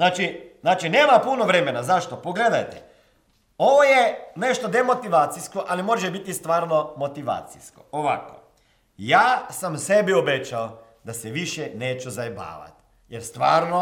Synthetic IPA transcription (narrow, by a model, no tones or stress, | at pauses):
znaːt͡ʃiznaːt͡ʃine̞ːmapuno̞ʋɾe̞me̞nazaʃt̪opoɡle̞d̪ajt̪e | o̞ʋojeneʃt̪od̪e̞mo̞t̪iʋaːt̪siskoʔalimo̞ʒebit̪ist̪ʋaːɾnomo̞t̪iʋa̰ːt̪sḭsko̰oʋa̰ko̰ | jaːsamse̞biobet͡ʃao | d̪aseʋiʃjene̞ːt͡ʃuzajeba̰ːʋa̰t̪ | jeɾst̪ʋaːɾno